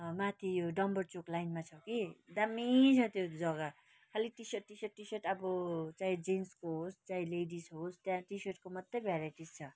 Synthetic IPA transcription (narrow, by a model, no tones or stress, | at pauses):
mat̪ʰijoɖʌmbʌrt͡soklajnmat͡sʰʌkid̪amit͡sʰʌt̪jod͡zʌɡa | kʰaliʈisʌʈːisʌʈːisʌʈʌbʌt͡saĩd͡zenskoɦost͡sãĩleɖisɦost̪jãʈisʌrʈ̚komʌd̪ejbʱjaɾaʈist͡sʰʌ